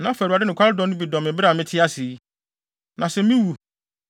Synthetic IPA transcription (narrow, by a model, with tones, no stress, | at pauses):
nã˦fæ˨u˨a˨dɪ˦nɪ̃˨kʰʷa˦ɾɪ˦dɔ̃˨˦nʊ̃˦bi˨dɔ̃˨mɪ̃˨˦bɪ˦ɾa˨mɪ̃˦tʰɪ˦a˦si˨˦ | nʔã˨sɛ˨mĩ˦wu˨